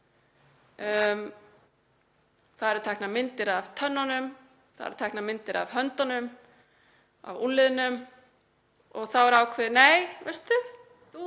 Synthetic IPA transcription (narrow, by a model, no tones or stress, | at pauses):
θaðɛɾt̪ʰɛjknamɪnt̪ɪɾavt̪ʰœnːanʏm | θa̰ðɛ̰ɾ̥t̪ʰɛjknamɪnt̪ɪɾa̰vɦœnt̪anʏm | a̰vulːɪðʏnʏm | ɔɣθawɛɾaːwkʰvɛðneːjvɛst̪ʏ